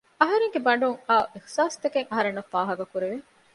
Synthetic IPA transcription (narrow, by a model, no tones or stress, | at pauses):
ɐɦɐɾeŋɡebɐɳɖuŋaːʔixsaːst̪ekeŋɐɦɐɾenːɐfːaːɦɐɡɐkuɾeʋe